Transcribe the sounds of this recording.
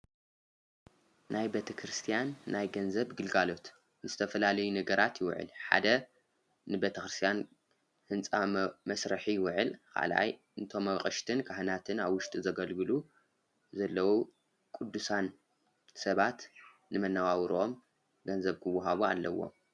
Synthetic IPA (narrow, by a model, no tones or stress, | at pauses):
nʔajbet̪ʰɐkʰɾɨst̪ʰijanːajɡɐnzɐβɡɨlɡalo̞t̪ | nɨz̥ɨt̪ʰɐfɐlalɐjunɐɡɐɾat̪jɪw̰ʕɨ̰lħa̰d̪ɐ | nɨbet̪ʰɐkɾɨst̪ʰijan | hɨnt͡sʼamɐsɾɨħijɪwʊʕɨlkʰa̰lʔa̰j | ɨnt̪ʰo̞mːɐqʼɐʃt̪ʰɨnkʰahɨnat̪ʰɨnaβwʊʃt̪ʼizɐɡɐlɡɨlu | zɐlːɐwu | kʼud̪ːusan | sɐβat̪ | nɨmɐnːawawɾʔom | ɡɐnzɐβkʰɨwːʊɦaβua̰lːɐwːo̞̰m